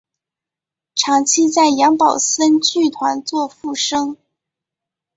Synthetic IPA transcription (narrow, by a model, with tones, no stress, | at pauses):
ʈ͡ʂʰɑ˧˥ŋt͡ɕʰi˥t͡sa˥˩ɪjɑ˧˥ŋpɑ˨˩ʊsə˥nt͡ɕy˥˩t̪ʰwa˧˥nt͡swɔ˥˧fu˥˩ʂɤ˥ŋ